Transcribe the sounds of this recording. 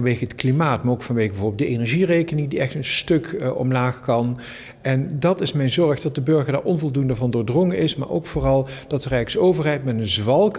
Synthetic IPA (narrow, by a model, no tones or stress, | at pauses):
nʋejɣəɦətklimaːtmaːɹowkfɑnʋeːɣəbɛvoːɹblˠdəʔenɛɹʒirejkənɪŋdiɛxtənstɵkʔɔ̰mlaːxkɑn | ɛndɑtɪsmɛjnzɔɹχdɑt̚dəbøɹɣəɹda̰ːɹʔɔnvɔlˠdundəvɑndʊːɹdrɔŋənɪsma̰ːɹʔo̰wkfʊːrɑlˠd̥ɑtərɛjksowvəɹɦɛjtmɛtənzʋɑlˠk